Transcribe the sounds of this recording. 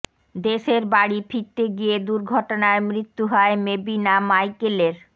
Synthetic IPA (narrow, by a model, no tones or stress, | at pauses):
d̪eʃeɾbaɽifʰit̪ːeɡijed̪uɾɡʱɔʈonaemɾit̪ːuɦɔemebinamajkeleɾ